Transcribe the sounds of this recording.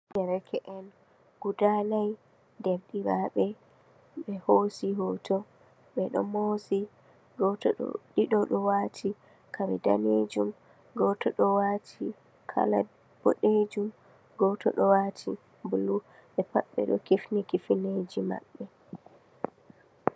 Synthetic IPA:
d͡ʒɛɾɛkʰɛʔɛn | ɡ̥udanaj | dɛbɗiɾaɓɛ | ɓɛhosiɦɔtʰɔ | ɓɛɗɔ̰mosi | ɡɔtɔɗɔ̰ɗiɗɔɗɔwatʰi | kʰawɛda̰ned͡ʒum | ɡɔtɔɗɔwatʰi | kʰa̰la̰ | b̥o̰ɗed͡ʒum | ɡɔtɔ̰ɗɔwatʰḭ | bulu | ɓɛpaɓːɛ̰ɗɔ̰kifnikifined͡ʒima̰ɓːɛ

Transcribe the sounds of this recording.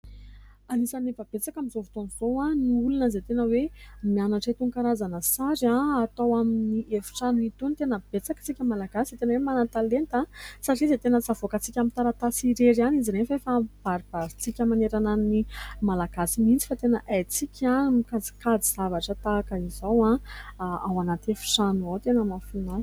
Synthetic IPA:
anisanefəb̥et͡sakamizovut̪onizowaniulunəzet̪enəwemianaʈ͡ʂat̪uŋkaɾazanəsaɾaat̪awaminiʔefi̥ʈ͡ʂanit̪unt̪enəb̥et͡sakḁt͡sikʲəmalaɡasiz̥et̪enəwemanat̪alent̪asaʈ͡ʂizet̪enət͡savokət͡sikʲamint̪aɾat̪asiɾeɾaniziɾenfefab̥aɾib̥aɾit͡sikʲəmaneɾananimalaɡasimint͡si̥fat̪enəʔajt͡sikʲʰamikad͡zi̥kad͡ziz̥avaʈ͡ʂət̪akəizowã | awanat̪efu̥ʈ͡ʂanuat̪enəmafina

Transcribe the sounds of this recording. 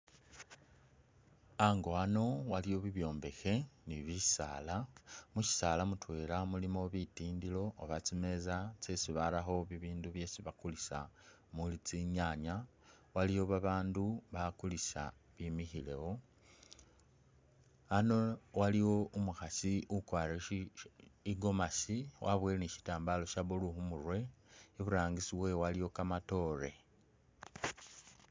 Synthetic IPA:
aŋɡo̞ano̞waliwo̞βiβjo̞ːmbe̞xe̞niβisa̰ːlamuʃi̥salamutwe̞ːlamulimo̞βitiːndilo̞ːβat͡sime̞zat͡sesiβalaxo̞βiβiːnduβje̞siβakulisa̰ | mulit͡siɲaɲa | waliwo̞βaβaːnduβakulisa̰ | βimixile̞̰wo̞ | anowaliwo̞umuxasiʔukwaːɾe | iɡo̞masiwʔaβweːleniʃi̥taːmbalo̞ʃaβuluxumurwe̞iβuɾaːŋɡisiβwe̞walijo̞kamato̞ːɾe̞

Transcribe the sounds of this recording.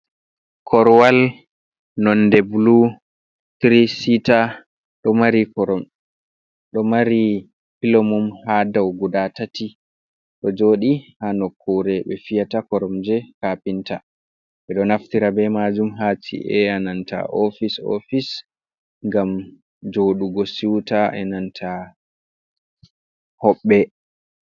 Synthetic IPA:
kʰɔɾwal | nɔndɛbulu | t̪ɾisita | ɗɔmaɾikɔɾɔm | ɗɔmaɾi | pilomumhadawɡudatati | ɗɔd͡ʒoːɗihanɔkʰːuɾɛɓɛfijatakɔɾɔmd͡ʒɛkapinta | ɓɛɗɔnaftiɾabɛmad͡ʒumɦaːtʰḭʔɛananta̰ʔofiso̰fis | ŋɡam | d͡ʒoːɗuɡɔsiwtaʔɛnantʰa | hɔɓːɛ

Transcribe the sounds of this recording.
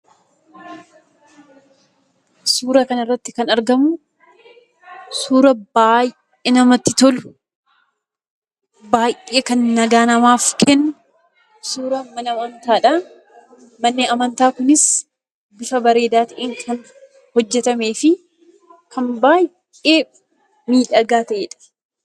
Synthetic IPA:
suːɾɐkɐnɪrːɐt̪ːɪkɐnɐɾɡɐmʊ | suːɾɐbaːj | enɐmɐt̪ːɪt̪ɔlʊ̥ | baːjʔʔeːkɐnːɐɡaːnɐmaːfkʰɛnːʊ | suːɾɐmɐnɐmɐnt̪aːᶑɐ | mɐnːɪɐmɐnt̪aːkʊnɪs | bɪfɐbɐɾe̞ːd̪aːt̪ɐʔeːŋkʰɐn | hɔd͡ʒːɛt̪ɐme̞ːfɪ | kʰɐmbaːj | eː | miːᶑɐɡaːt̪ɐʔeːᶑɐ̥

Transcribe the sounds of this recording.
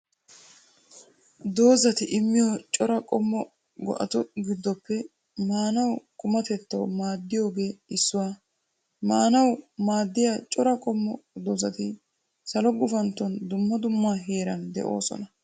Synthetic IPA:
d̪o̞ːzɐt̪ɪʔɪmːɪjot͡ʃʼɔɾɐkʼɔmːɔ | ɡɔ̰ʔɐt̪ʊɡɪd̪ːɔpːɛ | maːnɐwkʼʊmɐt̪ɛt̪ːɐwmaːd̪ːɪjo̞ːɡeːɪsːʊwaː | maːnɐwmaːd̪ːɪjaːt͡ʃʼɔɾɐkʼɔmːɔd̪ɔzɐt̪ɪ | sɐlɔɡʊfɐnt̪ːɔnd̪ʊmːɐd̪ʊmːaːɦe̞ːɾɐnd̪ɛ̰ʔo̞̰ːsɔ̰nɐ

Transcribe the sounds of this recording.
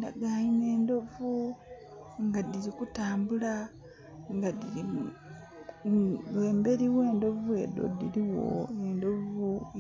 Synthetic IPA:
da̰ɡaːɲine̞ːndo̞vu | ŋɡadiɾikutaːmbula | ŋɡadii | eːmbe̞ɾiwe̞ːndo̞vue̞̰ːdo̰diliwo̞̰endo̞vu

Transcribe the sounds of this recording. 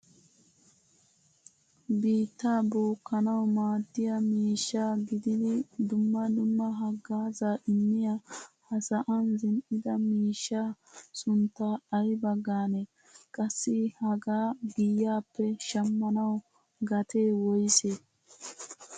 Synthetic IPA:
biːt̪ːaːboːkːɐnɐwmaːd̪ːɪjɐmiːʃːaːɡɪd̪ɪd̪ɪd̪ʊmːɐd̪ʊmːɐɦɐɡːaːzaʔɪmːɪjahɐsɐʔɐnzɪnʔɪd̪ɐmiːʃːaːsʊnt̪ːaɐjbɐɡːaːnɛ | kʼɐsːɪhɐɡaːɡɪjːaːpːɛʃɐmːɐnɐw | ɡɐt̪e̞ːwɔjse

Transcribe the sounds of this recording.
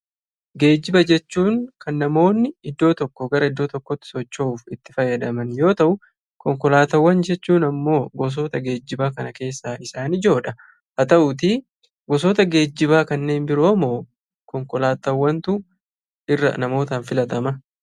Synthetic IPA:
ɡe̞ːd͡ʒːɪbɐd͡ʒɛt͡ʃːuːŋkɐnːɐmo̞ːnːɪɪd̪ːo̞ːt̪ɔkːɔɡɐɾɐɪd̪ːo̞ːt̪ɔkːɔt̪ːɪ̥sɔt͡ʃːouːfɪt̪ːɪ̥fɐjːɐd̪ɐmɐnjo̞ːt̪ɐʔʊ | kɔŋkɔlaːt̪ɐwːɐnd͡ʒɛt͡ʃːuːnɐmːo̞ːɡɔs̬oːt̪ɐɡe̞ːd͡ʒːɪbaːkɐnɐke̞ːsːaːɪsaːnɪd͡ʒo̞ːᶑɐ | hɐt̪ɐʔʊt̪i | ɡɔs̬oːt̪ɐɡe̞ːd͡ʒːɪbaːkɐnːe̞ːnbɪɾomoː | kɔŋkɔlaːt̪ɐwːɐnt̪ʊ | ɪrːɐ̰nɐmo̞ːt̪ɐnfɪlɐt̪ɐmɐ

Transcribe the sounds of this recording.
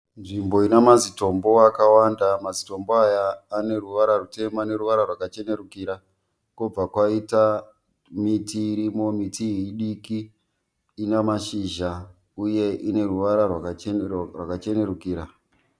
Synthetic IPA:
nʐimbo̞inamazito̞mbo̞wakawandamazito̞mboajaːne̞ruʋaɾarute̞maːne̞ruʋaɾarwakat͡ʃe̞ne̞ɾukiɾa | kub͡vakwaita | mitiːɾimo̞mitʰiiɗikiː | namaʃiːʒa | uje̞ʔine̞ruʋaɾarwakrwakat͡ʃe̞ne̞ɾukiːɾa

